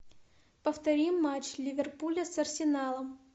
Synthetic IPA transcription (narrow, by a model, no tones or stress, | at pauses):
pəft̪ɐɾʲimːat͡ɕlʲɪvʲɪrpulʲɐsɐrsʲɪnalˠəm